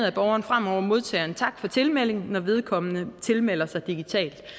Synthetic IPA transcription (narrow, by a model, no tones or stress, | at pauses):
ð̩ˠæb̥ɒʊɐːnfʁam̰ɒʊ̰ɐmo̝ð̞ˠt͡sʰɛ̰ːɐnt͡sʰɑ̈ɡ̥fɒ̽t͡sʰe̝lmel̰e̝ŋnɒʋe̝ð̞ˠkʰɒ̽mənət͡sʰe̝lmel̰ɐsɑ̈ɪd̥iɡ̥it͡sʰɛ̰ːld̥